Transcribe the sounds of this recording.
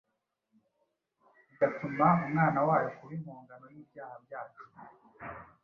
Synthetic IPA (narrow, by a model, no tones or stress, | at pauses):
iɡatumaumŋaːnawaːjokuβimhuːŋɡano̞jiːbjaːhabjaːt͡ʃu̥